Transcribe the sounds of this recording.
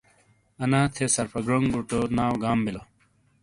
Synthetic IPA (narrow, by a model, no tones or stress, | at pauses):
ɐnaːt̪ʰesɐɾpɐɡɾoŋɡuʈonaːwɡaːmbilo